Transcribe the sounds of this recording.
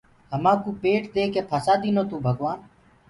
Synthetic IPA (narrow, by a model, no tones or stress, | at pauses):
ɦəmãːkuːpeːʈd̪eːkeːpʰaːsaːd̪iːnoːt̪ũːbʱəɡʋaːn